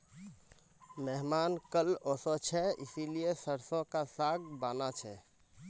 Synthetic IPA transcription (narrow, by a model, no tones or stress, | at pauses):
mɛɦmaːnkəlɔsɔt͡ʃʰɛḭsiliesəɾsõkasaɡbanat͡ʃʰɛ